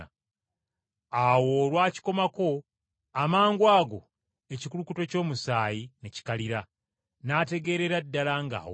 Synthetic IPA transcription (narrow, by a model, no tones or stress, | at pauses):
awo̞ːɾwaːci̥ko̞mako̞ | amaːŋɡwaːɡo̞ | e̞cikulukuto̞co̞ːmusaːjineci̥kaliɾa | naːte̞ɡe̞ːɾe̞ɾadːalaŋɡa̰ːwo